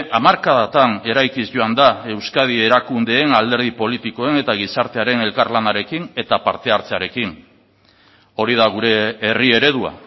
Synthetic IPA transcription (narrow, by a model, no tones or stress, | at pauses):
ʔamaɾkaðat̪ane̞ɾajkisʝo̞and̪ae̞wskað̞ie̞ɾakund̪e̞ːnald̪e̞ɾð̞ipo̞lit̪iko̞e̞ne̞t̪aɣ̞isaɾt̪e̞aɾe̞ne̞lkarlanaɾe̞kine̞t̪apaɾt̪e̞aɾt͡se̞aɾe̞kin | o̞ɾið̞aɣ̞uɾe̞ːrie̞ɾe̞ðua̰